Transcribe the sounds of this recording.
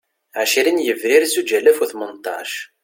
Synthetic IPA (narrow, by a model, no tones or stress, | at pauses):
ʕaʃiɾinjəvɾiɾsud͡ʒælːæfuθmənt̪ˤːɑ̰ʃ